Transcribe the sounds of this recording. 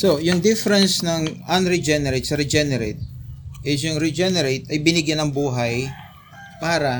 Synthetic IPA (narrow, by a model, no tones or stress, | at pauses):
sojʊŋd̪ɪfɛɾɛnsnɐŋʔɐnɾɛd͡ʒɛnɛɾɛt̪̚sɐɾɛd͡ʒɛnɛɾet̪̚ʔɪs̬jʊŋɾɛd͡ʒɛnɛɾet̪ɐjbɪnɪɡjɐnɐŋbuːɦɐj | paːɾɐ